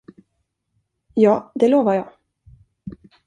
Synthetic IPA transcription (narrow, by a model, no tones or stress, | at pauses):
jɑːd̪ɛloːvajɑː